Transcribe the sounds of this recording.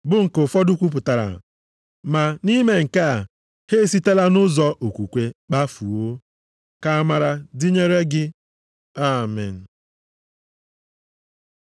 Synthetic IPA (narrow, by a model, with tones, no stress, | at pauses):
bʊ˦ŋ̩˨kʊ˨fɔ˦dʊ˦kʷu˦p̬ʊ˨ta˨ɾa̰˨ | ma˨ni˦me˨ŋ̩˨ka˦a˨ | he˦˨si˦te˦la˦nʊ˦zɔ˦ʔo˨kʷu˨kʷe˨k͡pa˦fu˨o˦ | ka˦ma˨ɾa˨di˦ɲe˦ɾe˦ɡɪ˦ | a˦˨mɛ̰˨n̩˨